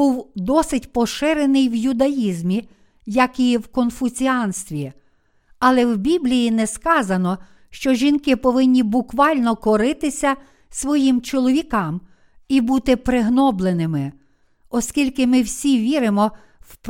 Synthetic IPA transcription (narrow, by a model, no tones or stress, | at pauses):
buwd̪ɔsɪtʲpɔʃɪɾenɪjwjʊd̪ɐjizmʲi | jɐkiwkɔnfʊt͡sʲiɑnst̪ʋʲi | ɐlˠɛwbʲiblʲijinɛskɑzɐnɔ | ʃt͡ʃɔʒʲinkɪpɔʋɪnʲːibʊkʋɑlʲnɔkɔɾɪt̪ɪsʲɐ | sʋɔjimt͡ʃɔlˠɔʋʲikɑm | ibut̪ɪpɾɪɦnɔblˠenɪmɪ | ɔskʲilʲkɪmɪwsʲiʋʲiɾɪmɔ | wp